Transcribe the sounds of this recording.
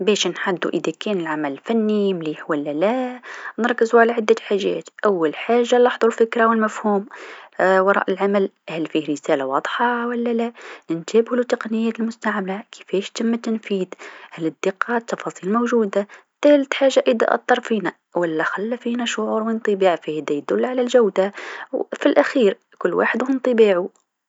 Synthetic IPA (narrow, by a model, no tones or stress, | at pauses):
bɛːʃnħad̪ːṵʔɪðækɛːnɪlʕamælfænːimliːħwɪlːælænɨɾˤkːɪzuʕalaʕad̪ːaħaʒːɛ̰ːt̪ʔawːalħaːʒːalɑħðˤulfɪkɾawɪlmæfhuːm | wɑɾˤɑ̰ːʔɪlʕamælhælfiːɾɪsæːlawɑd̪ˤħɑwælːælænɪnt̪æːbhlut̪ːɑqnɪjːɛːt̪ɪlmʊst̪aʕmlakʰɪ̥fɛːʃt̪ɪmːat̪ɪnfiːd̪hælɪd̪ːɪqːɑt̪ːɑfɑsˤiːlmowʒuːd̪at̪æːlɪt̪ħaːʒːaʔid̪a̰ʔɑ̰t̪ˤːɑɾˤfiːna | wɪlːæxalːæfiːnaʃʊʕuːɾwənt̪ˤɨbiːʕfihd̪æjd̪ʊlːʕalælʒawd̪awfilʔæxiːɾ | kʊlːwʔa̰ːħəd̪wənt̪ˤɨbiːʕu